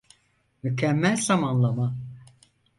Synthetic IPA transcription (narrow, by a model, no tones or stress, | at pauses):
mycʰɛmːɛlʲzamanlˠama